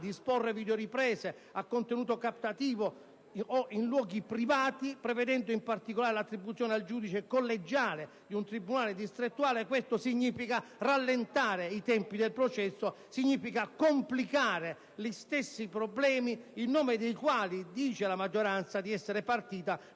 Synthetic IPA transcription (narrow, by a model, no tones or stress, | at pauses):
d̪iːsporːeviːd̪oɾipɾɛːse | akːont̪enuːt̪okapt̪at̪iːvo | oʔinlwɔːɡipɾivaːt̪ipɾɛvɛd̪ɛnd̪ʊimpart̪ikolaːɾelat̪ːɾibːut̪sːjɔːneald͡ʒuːd̪it͡ʃekolːed͡ʒːaːle | d̪iunt̪ɾibunaːled̪ist̪ɾet̪ːuaːlekwest̪osiɲːiːfikaralːent̪aːɾeit̪ɛmpid̪elpɾot͡ʃɛsːo | siɲːiːfikakomplikaːɾe | list̪esːipɾoblɛːmiːnːɔːmɪd̪ejkwaːlid̪iːt͡ʃelamad͡ʒːoɾant̪sad̪iɛsːeɾepart̪iːt̪a